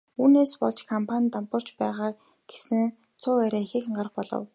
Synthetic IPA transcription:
uːneːspɔ̰ɮt͡ɕkʰɔmpʰanʲt̪ampə̆r̥t͡ɕpæːʁaː | ɡ̥e̥sɘ̆ŋ | t͡sʰʊːæɾʲeːxĭːxɴɢarχpɔɮɞ̰̆w

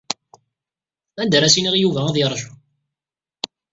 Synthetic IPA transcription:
ænd̪ɾæsiniʁjuvææðiɾˤːəʒu

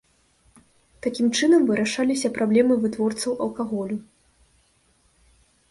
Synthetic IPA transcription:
t̪akʲimt͡ʂɨnɐmvɨɾʔaʂalʲis̬ʲɐpɾablʲɛmɨvɨt̪vɔrt̪sɐwʔɐlˠkaɣɔlʲu

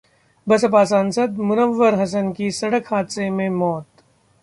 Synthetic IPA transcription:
bɐsəpaːsansəd̪̚mʊnəʋːəɾɦɐs̬ənkisɐɽəkhaːt̪semẽmɔːt̪

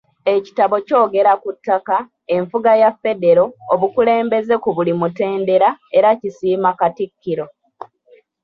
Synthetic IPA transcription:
e̞ci̥taβo̞co̞ːɡe̞ɾakutːaka | e̞ɱfuɡajafːe̞de̞ɾo̞ːβukule̞ːmbe̞ze̞kuβulimute̞ːnde̞ɾae̞ɾacisiːmakatikːiɾo̞

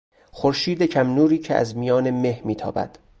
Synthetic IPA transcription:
xoɾʃiːd̪ecʰæmnuːɾiːcʰeʔæ̰zmijɒːne̞mehmiːt̪ʰɒ̰ːbæ̰d̪̥

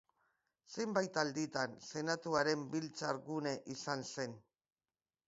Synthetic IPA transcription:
se̞jmbajt̪ald̪it̪anse̞nat̪uaɾe̞mbilt͡saɾɣune̞ʔisanse̞n

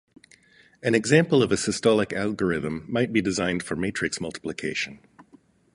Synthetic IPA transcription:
ɨ̃nɨɡzæ̃mpl̩ˠʌvɨsɨstɑlˠɨkælˠɡə˞ɪðə̃mːaɪt̚b̥idɨzãɪ̃nd̥fə˞meɪtʰɹ̥ɨksmʌlˠtʰə̥plɨkʰeɪʃɨ̃n

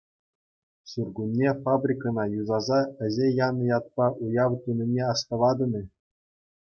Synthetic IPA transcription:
surɡunʲːefabrʲikɤ̆nɑjuzɑzɑɘ̆zʲejɑnɤ̆jɑt̪̚pɑʔujɑʋt̪unʲĭnʲeɑst̪ɤ̆ʋɑd̪ɤ̆nʲɤ̆

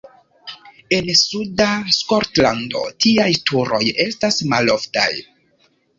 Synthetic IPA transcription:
e̞nsudasko̞ɾtlando̞̰tiajtʰuɾo̞je̞stasmalo̞fta̰j

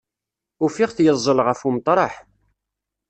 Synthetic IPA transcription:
ʊfiʁθjəzˤːəlʁəfumt̪ˤːɾˤɑħ

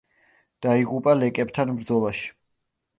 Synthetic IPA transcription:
d̪̥aiʁupʼalɛkʼɛbt̪ʰanmɾd̪zɔlˠaʃi̥

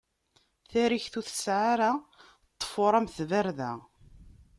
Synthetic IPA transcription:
θæɾiçθuθə̥sʕaɾa | t̪ˤːə̥foɾˤæmθvæɾðæ̰

